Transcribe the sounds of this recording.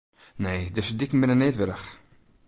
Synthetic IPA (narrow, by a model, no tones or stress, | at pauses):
neːdɛsədɪkmɪnəneːtʋɪɾəx